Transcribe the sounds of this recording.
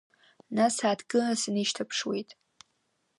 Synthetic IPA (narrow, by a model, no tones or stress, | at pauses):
nasaːtʰɡɨasɨniʃtʰɐpʰʂwejtʼ